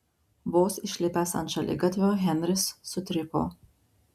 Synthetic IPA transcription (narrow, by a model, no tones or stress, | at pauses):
ʋoːsɪʃʲlʲɪpʲæːsɐ̰nt̪ʃɐlʲɪ̰ɡɐt̪ʲʋʲoːɣʲɛnʲɾʲɪsːʊt̪ʲɾʲɪpo̰ː